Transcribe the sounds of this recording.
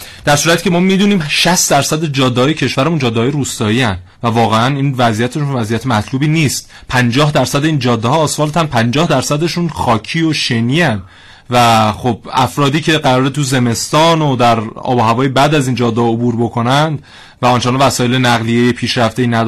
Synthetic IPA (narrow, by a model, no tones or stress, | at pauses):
d̪̥æɾsuːɾæt̪ʰi̥ːcʰemɒːmiːd̪uniːmʃæst̪d̪æɾsæd̪ed͡ʒɒːd̪ːhɒːjecʰe̞ʃvæɾemund͡ʒɒːd̪ːehɒːjeɾuːst̪ɒːiːænd̪ | vævɒːɣeæniːnvæzijæt̪ʰeʃunvæzijæt̪ʰemæt̪ʰluːbiːniːst̪̚ | pʰænd͡ʒɒːɦd̪æɾsæd̪eiːnd͡ʒɒːd̪ːehɒːsvɒːlt̪ʰænpʰænd͡ʒɒːhd̪æɾsæd̪e̞ʃunχɒːcʰiːoʃeniːænd̪ | væχob̥̚æfɾɒːd̪iːcʰe̞ɢæɾɒːɾet̪ʰuze̞me̞st̪ɒːnod̪æɾɒ̰ːboɦævɒːjebæd̪æziːnd͡ʒɒːd̪ːeɒobuːɾbo̞kʰo̞nænd̪ | væɒnt͡ʃenɑvæsɒːje̞lenæɣlijejepʰiːʃɾæfd̪eiːnæd̪